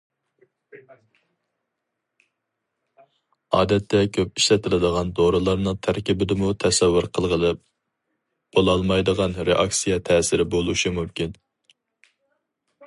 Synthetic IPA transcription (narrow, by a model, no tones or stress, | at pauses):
ɑ̰ːd̪ɛt̪ʰːɛkʲʰøp̚iʃlɛt̪ʰɪlɪd̪əʁɑnd̪oɾɨlˠɑɾnɨŋt̪ʰæɾkʲibɪd̪ɪmut̪ʰɛsɛwːʊɾqʰəlˠʁəlˠɨp̚ | b̥olˠɑlˠmɑjd̪əʁɑnɾeʔɑksijɛt̪ʰɛːsɪɾɪbolˠuʃimumkʲin